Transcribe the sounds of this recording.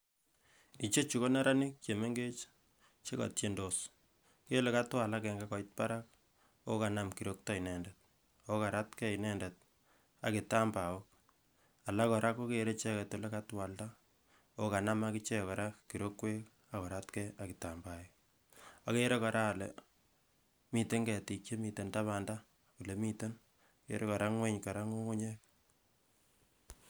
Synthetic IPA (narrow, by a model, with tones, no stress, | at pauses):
i˨t͡ʃe˦t͡ʃu˨ko˦na˦ɾa˦nɪ˦k̚t͡ʃe˨me˦ŋɡe˦t͡ʃ | t͡ʃe˦ka̰˨tje˦ndo˨s | ke˦le˨ka˦twa˨la˦kɛ˨ŋɡakɔ˨it̚pa̰˦ɾa˦k̚ | o˦ka˨na˦mki˨ɾo˦k̚tɔ˦i˨nɛ˨ndɛt̚ | o˦ka˨ɾa˦tkɛ˦i˨nɛ˦ndɛ˨t̚ | a̰˨ki˨ta˦mba˨o˦k̚ | a˨la˦kɔ˨ɾa˦ko˦ke˦ɾe˦t͡ʃɛ˦kɛ˨to˨le˦ka˦twa˨lta˦ | o˦ka˨na˦ma˦ki˦t͡ʃɛ˦kɔ˨ɾa˦ki˨ɾo˦kwe˦k | a˦kɔ˨ɾa˦tkɛa˨ki˨ta˨mba˦ji˦ | a˨ke˦ɾe˦kɔ˨ɾa˦˨lḛ | mi˨te˦ŋɡɛ˨ti˨t͡ʃe˦mi˨te˨nta˦βa˨nda˦ | ku˨le˨mi˦te˦n | kḛ˦ɾe˦kɔ˨ɾa˦ŋwe˦ɲka˨ɾa˦ŋo˦ŋu˦ɲe˦k̚